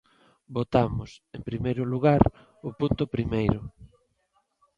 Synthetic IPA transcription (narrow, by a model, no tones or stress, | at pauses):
bot̪amʊsempɾimejɾʊluɣaɾ | ʊpunt̪ʊpɾimejɾʊ